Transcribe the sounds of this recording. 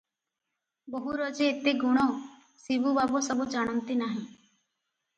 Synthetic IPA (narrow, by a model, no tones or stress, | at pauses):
boɦuɾɔd͡ʒeːt̪eɡuɽ̃ɔ | sibubabɔsɔbud͡ʒaɽ̃ɔnt̪inaɦĩ